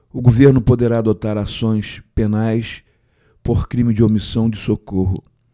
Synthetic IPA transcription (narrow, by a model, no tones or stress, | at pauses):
ʊɡoveɾnʊpod̪eɾaːd̪ot̪aɾasõj̃spenajs | poχkɾĩmɪd͡ʒɪomisɐ̃w̃d͡ʒɪsokoɦʊ̰